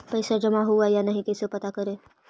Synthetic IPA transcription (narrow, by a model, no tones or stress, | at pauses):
pəjsad͡ʒəmaɦuajanəɦĩkɛsepət̪akəɾe